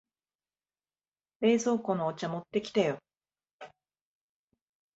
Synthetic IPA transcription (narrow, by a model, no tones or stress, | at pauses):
be̞ːzo̞ːko̞noːt͡ɕamo̞t̪ːe̞kʲi̥t̪ajo̞